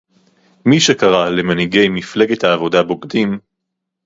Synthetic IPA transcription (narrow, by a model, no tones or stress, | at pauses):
miʃekaʁalemaniɡejmifleɡet̪haːvo̞dabo̞ɡdim